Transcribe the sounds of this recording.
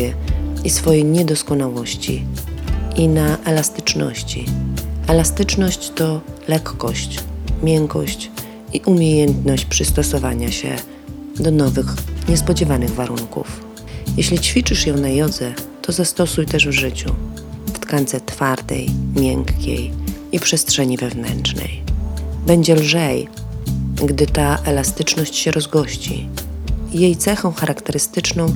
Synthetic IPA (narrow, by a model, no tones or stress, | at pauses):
ɛisfɔjejɲɛd̪ɔskɔnawɔɕt͡ɕḭ | inaʔɛlast̪ɘ̥t͡ʂnɔ̰ɕt͡ɕḭɛlast̪ɘt͡ʂnɔɕt͡ɕt̪ɔlɛkːɔɕt͡ɕmʲjɛŋkɔ̰ɕt͡ɕ | iʔumʲjejɛnt̪nɔɕt͡ɕpʂɘst̪ɔsɔvaɲaɕɛ̰ | d̪ɔnɔvɘxɲɛspɔd͡ʑɛvanɘɣvaɾuŋkṵf | jeɕlʲit͡ɕfʲit͡ʂɘʂjɔ̃w̃najɔd̪zɛt̪ɔzast̪ɔsujt̪ɛʐvʐɘt͡ɕṵ | ft̪kant̪sɛt̪faɾd̪ɛ̰jmʲjɛŋkkʲḛjipʂɛstʂɛɲivɛvnɛ̰nt͡ʂnɛ̰jbɛɲd͡ʑɛlʐɛj | ɡd̪ɘt̪aʔɛlast̪ɘt͡ʂnɔɕt͡ɕɕɛɾɔzɡɔɕt͡ɕḭ | ijejt̪sɛxɔ̃w̃xaɾʔakt̪ɛɾɘst̪ɘt͡ʂnɔ̃w̃